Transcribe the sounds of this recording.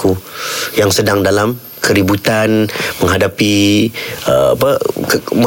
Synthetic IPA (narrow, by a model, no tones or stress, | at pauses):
kujaŋsədaŋdalam | kʰəɾibut̪anməŋɦadapi | ə̰a̰pəkmə